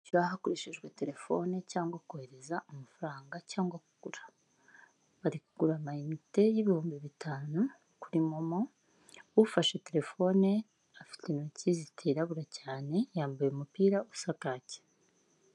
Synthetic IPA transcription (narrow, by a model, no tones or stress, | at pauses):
caɦakoɾeʃeʒɡwe̞te̞ɾe̞fo̞ne̞caːŋɡwakohe̞ɾe̞zaʔomafaɾaːŋɡacaːŋɡwakuɡ̥uɾḁ | βaɾikuɡ̥uɾamaimite̞jiβihuːmbiβitʰaːnu | kuɾimomo | ufaʃe̞te̞ɾe̞fo̞ne̞ | afi̥tenocizitʰeɾaβuɾacaːne̞jaːmbajeumupiːɾausakaːce̥